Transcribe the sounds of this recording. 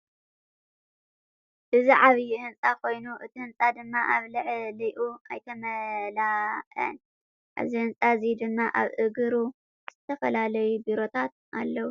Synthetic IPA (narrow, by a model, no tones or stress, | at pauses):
ʔɨziʕaβjihɨnt͡sʼakʰo̞jnuʔɨt̪ʰihɨnt͡sʼad̪ɨmːaʔaβlɨʕliʔuajt̪ʰɐmɐlaʔɐ̰n | ʔa̰βzihɨnt͡sʼazid̪ɨmːaʔaβʔɨɡɨɾu | z̥ɨt̪ʰɐfɐlalɐjubiɾo̞t̪ʰat̪̚alːɐwu